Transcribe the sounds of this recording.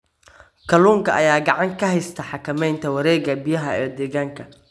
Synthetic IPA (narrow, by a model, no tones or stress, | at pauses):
kʰɐluːŋkʰɐʔɐjaːɡɑʕɑŋkʰɐɦɛjst̪ʰɐħɑkʰɐmɛjnt̪ʰɐwɐɾɛːɣɐbijɐɦɐɛːd̪ɛːɣaːŋkʰɐ